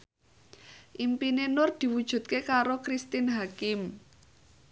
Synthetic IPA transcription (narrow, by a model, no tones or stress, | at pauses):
ʔimpinenʊrd̪̥i̤wud̥ʒ̥ṳt̪̚kekaɾokɾist̪ɪnɦakɪm